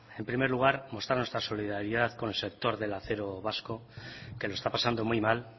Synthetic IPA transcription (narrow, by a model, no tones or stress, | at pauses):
e̞mpɾime̞ɾluɣ̞aɾmo̞st̪ɾanwe̞st̪ɾaso̞liðaɾiðaðko̞nelse̞k̚t̪o̞ɾðe̞laθe̞ɾo̞βasko̞kelo̞est̪apasand̪o̞mujmal